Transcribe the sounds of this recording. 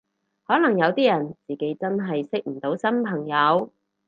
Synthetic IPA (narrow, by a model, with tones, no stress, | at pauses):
hɔː˨˥lɐ˨˩ŋjɐ˨˧wt̪iː˥jɐ˨˩nt͡siː˨ke˨˥jt͡sɐ˥nɦɐ˨jsɪ˥k̚m̩˨˩t̪o˨˥wsɐ˥mpʰɐ˨˩ŋjɐ˨˧w